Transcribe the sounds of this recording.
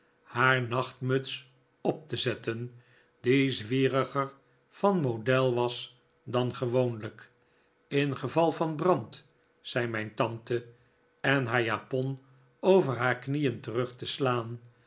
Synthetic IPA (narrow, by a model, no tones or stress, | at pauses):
haːɹnɑχtmɵts | ɔp̚t̪əzɛtən | dizʋiːrəχər | fɑnmodɛlˠʋɑs | dɑnχəʋownlək | ɪnχəvɑlˠfɑnbrɑnt | sɛjmɛjntɑntə | ɛnɦaːɹjaːpɔn | owvəɹɦaːɹknijəntərɵχtəslaːn